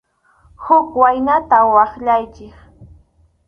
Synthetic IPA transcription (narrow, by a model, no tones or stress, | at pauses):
hʊkwajnat̪awɑχʎajt͡ʃɪχ